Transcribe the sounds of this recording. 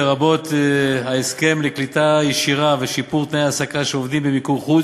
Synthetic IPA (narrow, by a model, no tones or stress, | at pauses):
eʁabo̞t̪haeske̞mleklit̪ajeʃiʁaveʃipuʁt̪nejasakaʃeovd̪imbemikuχu